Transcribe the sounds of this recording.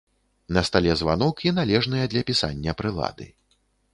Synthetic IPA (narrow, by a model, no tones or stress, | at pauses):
nɐst̪alʲɛzva̰n̪ɔkinalʲɛʐnɨjɐd̪lʲɐpʲisa̰nʲːɐpɾɨlˠa̰d̪ɨ̰